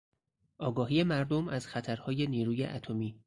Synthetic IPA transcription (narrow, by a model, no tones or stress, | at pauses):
ʔɒːɡɒːɦiːje̞mæɾd̪o̞mæz̥xæt̪ʰæɾhɒːje̞niːɾuːjḛʔæt̪ʰo̞miː